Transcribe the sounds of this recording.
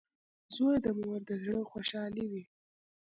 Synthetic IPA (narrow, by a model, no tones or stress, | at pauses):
zojd̪əmuwaɾd̪əzɽəxwoʃɑliwi